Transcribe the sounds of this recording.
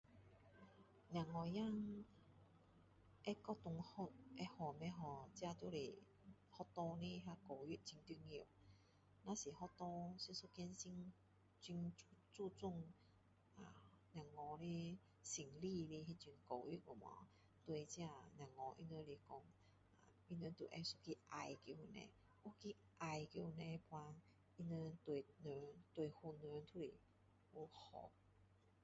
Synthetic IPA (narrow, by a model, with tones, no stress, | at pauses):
nj̃ã˨˩ŋːɔ˧ja˥˧˨ŋ | ʔɛ˦kɔ˦˧t̪ʊ˨˧ŋhɔ˧ʔɛ˧hɔ˨˩mɛ̃˧ɦɔ˨˩t͡ɕja˧t̪o˧˦le˨˩ | hɔ˦˧t̪ɔ˧ne˦ɦa˧ko˨˩i˦t̚t͡ɕi˧ŋt̪i˧˦ŋi˧˨ | nã˦si˨˩hɔ˧˥t̪ɔ˧si˧su˧˦kɛ˧nsi˥ŋ | t͡ɕi˧ŋ˧t͡su˥˧t͡su˥˧˨ŋ | a˨˩ | nj̃ã˨˩ŋːɔ̃˧le˦ | si˨˩ŋli˥˧le˧ɦi˦˧t͡ɕu˧nko˨˩wi˦o˨˩mɔ̰̃˨˦ | t̪we˧t͡ɕjã˧nj̃ã˨˩ŋːɔ̃˧ʔḭ˧nə̃˧˦le˧kɔ˧˩ŋ | a˨ | i˧nə˧t̪u˨ʔɛ̰˧su˦ki˦ʔa˧˩jki˧u˧˩nɛ̰̃˧ | u˦ki˦ | ʔa˨jki˧nɛ̃˧pʰw̃ã˧ | i˧nə˧t̪we˨nə˧t̪we˨˩hu˧˩nə˧t̪ʰu˦le˨ | u˧hɔ̰˨˦